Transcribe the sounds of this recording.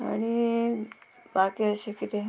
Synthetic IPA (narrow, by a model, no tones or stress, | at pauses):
a̰ɽ̃i | bakiəɕekit̪e